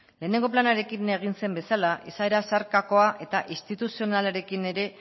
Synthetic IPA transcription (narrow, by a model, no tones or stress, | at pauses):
le̞ːne̞ŋɡo̞planaɾe̞kine̞ɣ̞inse̞mbe̞salaʔisaeɾasaɾkako̞aʔe̞t̪aʔist̪it̪usio̞nalaɾe̞kine̞ɾe̞